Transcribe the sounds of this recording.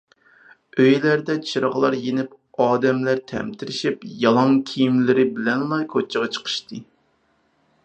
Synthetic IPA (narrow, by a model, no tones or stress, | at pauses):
øjlæɾd̪ɛt͡ʃʰiɾʁlˠɑɾjenɪp | ɑːd̪ɛmlæɾt̪ʰɛ̰mt̪ʰɪɾɪʃipjɑlˠɑŋkʲʰijimlɪɾɪbɪlɛnlˠɑjkʰot͡ʃʰːəʁɑt͡ʃʰə̥qʰə̥ʃt̪ʰɨ